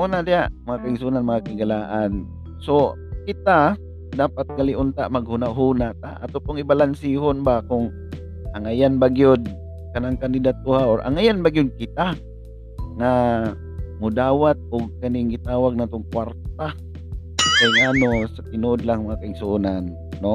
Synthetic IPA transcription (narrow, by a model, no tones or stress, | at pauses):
onad̪ɪjaʔmɐŋakaɪŋsuːnanmɐŋakɪɡalaːʔan | so | kɪt̪a | d̪aːpat̪̚ɡalɪʔʊnt̪aʔmaɡ̚hunaʔɦuːnat̪aʔa̰t̪opʊŋɪbalansiɦonbakʊŋ | aŋajanbaɡiʊd̪̚ | kanaŋkand̪ɪd̪at̪̚ːʊhaʔoɾʔa̰ŋajanbaɡijʊd̪̚kɪt̪a | ŋa | mʊd̪aːwat̪̚ʊɡ̚kɐnɪŋɡɪt̪aːwaɡ̚nat̪oŋkwaɾt̪a | kajŋanosat̪ɪnuʔod̪laŋmɐŋakaɪɡsunanː | o